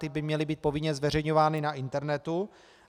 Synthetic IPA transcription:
t̪ɪbɪmɲɛlɪbiːt̪̚povɪɲɛzvɛr̝ɛjɲovaːnɪnaʔɪnt̪ɛɾnɛt̪u

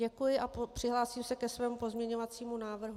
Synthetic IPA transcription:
ɛkujɪʔapr̝̥ɪɦlaːsiːmsɛkɛsvɛːmupo̞zmɲɛɲo̞vat͡siːmunaːvr̩ɦ

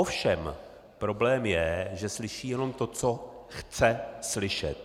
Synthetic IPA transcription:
ofʃɛm | pɾo̞blɛːmjɛʒɛslɪʃiːjɛno̞mt̪o̞t͡so̞xt͡sɛslɪʃɛ̰t̪̚

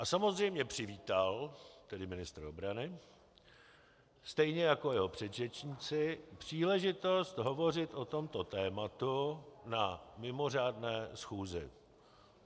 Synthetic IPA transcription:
ʔasamozrɛjmɲɛpr̝̥ɪviːt̪alt̪ɛdɪmɪnɪst̪ɾobɾanɪ | st̪ɛjɲɛjako̞jɛɦo̞pr̥ɛd̪rɛt͡ʃɲiːt͡sɪpr̥iːlɛʒɪt̪o̞st̪ɦovo̞rɪt̪ʔot̪o̞mt̪ot̪ɛːmat̪unamɪmo̞r̝aːdnɛːsxuːzɪ

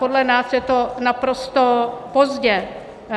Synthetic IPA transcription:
odlɛnaːsjɛt̪onapɾost̪opozɟɛ

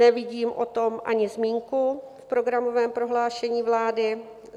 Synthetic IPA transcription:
ɛvɪɟiːmʔot̪omʔa̰ɲɪzmiːŋku | fpɾo̞ɡɾamo̞vɛːmpɾo̞ɦlaːʃɛɲiːvlaːdɪ

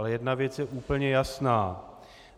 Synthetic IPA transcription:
lɛjɛdnavjɛt͡sjɛʔuːpl̩ɲɛjasnaː

